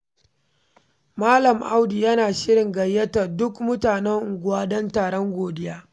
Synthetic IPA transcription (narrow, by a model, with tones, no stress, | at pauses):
maː˦lɐ˨mʔa˦wdi˨jɐ˦naː˨ʃɪ˦ɾɪ˨ŋɡɐ˨jːɐ˦ta˨dʊ˦kmʊ˦taː˨nɛ˦ŋʔʊ˨ɡʷʊ˦waː˦dɐ˦ntaː˨ɽɔ˦ŋɡʷoː˨dɪ˦jaː˦